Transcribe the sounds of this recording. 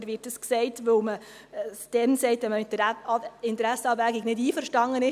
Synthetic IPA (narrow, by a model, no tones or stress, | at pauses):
ɾʋɪtəsksɛɪtʋoʊməsd̥ɛnsɛɪtʋɛmədəɪntəɾæsəɑːbvæɡɪɡnɪdiːfəɾʃtɑŋənɪ